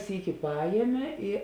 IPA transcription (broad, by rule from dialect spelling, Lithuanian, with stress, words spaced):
ˈsʲiːkʲɪ ˈpɑːjiɛmʲeː ɪ